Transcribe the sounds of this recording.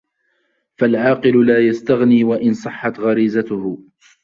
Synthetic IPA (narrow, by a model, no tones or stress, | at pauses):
falʕɑːqɨlʊlaːjast̪aɣniːwaʔɪnsˤɑħːɑt̪ɣɑɾiːzat̪ʊhʊ